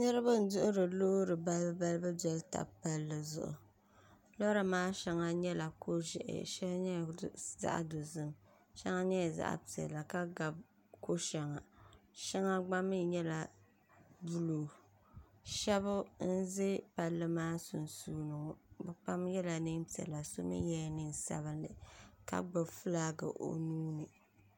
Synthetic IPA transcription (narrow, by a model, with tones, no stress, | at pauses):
nɨ˦ɾa˦ba˦n̩˨˦dʊ˦ʔʊ˦ɾɨ˨loː˦ɾɨ˨ba˦lba˦lbɨ˦bɛ˨lta̰˨pa˦lːɨ˨zʊ̰˨ʔʊ̰˨ | lɔ˦ɾa˨maː˦ʃɛ˦ŋa˦ɲɛ˦la˨ko˦ʒɛ̰˨ʔɪ̰˨ʃɛ˦lɲɛ˦˨za̰˦ʔa̰˨do˨zɨ˦m | ʃɛ˦ŋa˦ɲɛ˦˨za̰˦ʔa̰˨pi˨ɛ̰˨la˨ka˦ɡa˨b | ko˦ʃɛ˨ŋa˨ʃɛ˦ŋa˦ɡ͡ba˦mɨ˦ɲɛ˦la˨ | bu˦lo˨ | ʃɛ˦bʊ˦n̩˦zɪ˦pa˨lːɨ˦maː˦sʊ̰˨n˨suː˦nɨ˨ŋɔ˨bɛ˨k͡pa˦mjɛ˦la˨nɨ˦ŋpi˨ɛ̰˨la˨so˦mɨ̰˦jɛ˦nɨ˦n˨sa̰˦βɨ˦nːɨ̰˨ka̰˦ɡ͡ba˨fɨ˦la˦ɡɨ̰˨ʔo̰˨nuː˦nɨ˨